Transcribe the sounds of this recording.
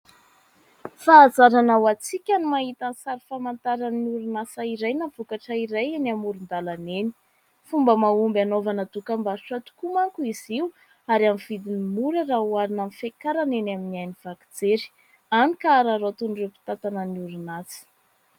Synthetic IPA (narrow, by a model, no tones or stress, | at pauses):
faːzaɾanawat͡sikʲanimaɦit̪ansaɾifamant̪aɾaniuɾunasaiɾajnav̥ukaʈ͡ʂəiɾajenamuɾund̪alaneni̥ | fumbəmaumbanovanəd̪ukambaɾuʈ͡ʂat̪u̥kumaŋkuiziu | aɾamivid̪inimuɾərauaɾinamifekaɾanenaminiajniv̥akid͡zeɾi̥ | anikaːɾaɾot̪unrewpi̥t̪at̪anəniuɾunat͡si̥